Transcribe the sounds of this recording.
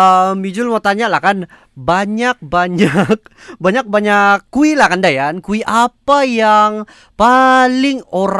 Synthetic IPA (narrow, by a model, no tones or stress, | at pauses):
əmid͡ʒʊlmot̪aɲalahkan | baɲak̚baɲak̚baɲak̚baɲakːuilahkandajankuiʔapajaŋ | palɪŋoɾ